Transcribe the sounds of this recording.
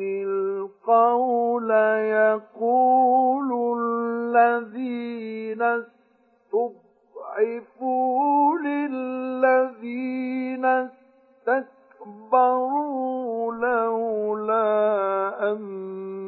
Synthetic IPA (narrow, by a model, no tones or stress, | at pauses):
ɪlqɑwlajaquːllːaðiːnas | t̪ʊb | ʕɪfulɪː | aðiːnas | t̪ak | bɑɾuːlahla | ʔam